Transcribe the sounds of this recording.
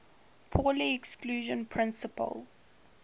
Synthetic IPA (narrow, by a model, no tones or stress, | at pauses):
pʰɔliɛkskluːʒə̃npʰɹɪ̃nsəpə̰l